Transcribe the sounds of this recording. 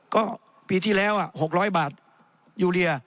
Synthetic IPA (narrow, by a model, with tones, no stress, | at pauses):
kɔː˥˩ | piː˧t̪ʰiː˥˩lɛː˦˥wʔa˨˩ʔho˨˩k̚ɾɔː˦˥jbaː˨˩t̪̚ | juː˧li˧ɐ